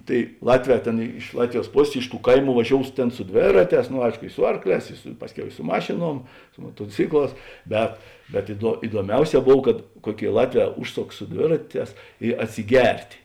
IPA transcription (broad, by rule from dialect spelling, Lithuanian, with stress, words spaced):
ˈtɐɪ ˈlˠɑːtʲˌʋʲɛː ˈtʲeːn ɪʃ ˈlˠɑːtʲʋʲɪˌjuɔs ˈpoːsʲeːs ɪʃ tuː ˈkɐɪˌmuː ʋɐˈʒʲoːʊs ˈtʲeːn sʊ ˈdʲʋʲeːrɐˌtʲɛːs noː ˈɐɪʃkoː ɪ ˈsʊ ɐrkˌlʲɛːs sʊ ˈpɑːsʲˌkʲɛʊ ɪ sʊ ˈmɑːʃʲeːˌnuɔm sʊ moːtoːˈt͡sʲɪkˌlˠɑːs ˈbʲɛt bʲɛt ɪduɔ ɪduɔˈmʲɛʊˌsʲɛː ˈboːw kɐt ˈkuɔˌkʲeːɪ ˈlˠɑːtʲˌʋʲɛː ˈʊʃˌsoːks sʊ ˈdʲʋʲeːrɐˌtʲɛːs ɪ ɐtʲsʲɪˈɡʲɛrʲtʲ